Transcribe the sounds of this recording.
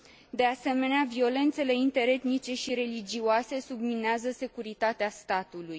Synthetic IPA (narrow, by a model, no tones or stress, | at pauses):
d̪e̞ase̞me̞neavio̞le̞nt̪se̞le̞int̪e̞ɾe̞t̪nit͡ʃe̞ʃiɾe̞lid͡ʒioase̞submineazəse̞kuɾit̪at̪east̪at̪uluj